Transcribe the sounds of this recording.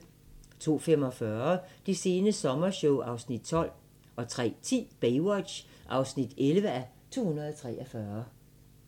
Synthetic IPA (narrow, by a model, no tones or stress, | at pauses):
t͡sʰo̝̰ːfem̰ɒ̽fɶːɐd̥ise̝ːnəsɒ̽mɐɕɔʊʔɑ̈ʊsnid̥t͡sʰɒ̽l̰ | ɒ̽t͡sʰʁɛ̰ːt͡sʰḭːb̥eɪwɒd̥ɕ | ʔɑ̈ʊsnid̥elʋəæ | t͡sʰo̝̰ːhunɐðˠɒt͡sʰʁɛːʔɒfɶɐ